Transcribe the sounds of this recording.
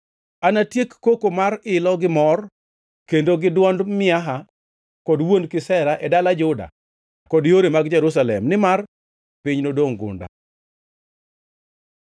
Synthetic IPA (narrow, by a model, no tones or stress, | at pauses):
anatjekːokomaɾɪlɔɡɪmɔr | kendoɡɪdwɔndmɪaɦa | kɔdwondkɪsɛɾaʔɛdalad͡ʒʊda̰ | kɔdjoɾemaɡd͡ʒɛɾus̬alɛ̰mnɪmar | pɪɲnodoŋɡʊ̰nda̰